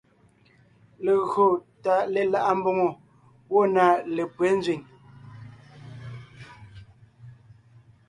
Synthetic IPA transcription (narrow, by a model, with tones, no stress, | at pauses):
le˨ɣo˨ta˨le˨la˦ʔa˦m̩˦bo˦ŋo˨ | wo˦˨na˨le˨pwe˨˦n˦zɥi˨ɲ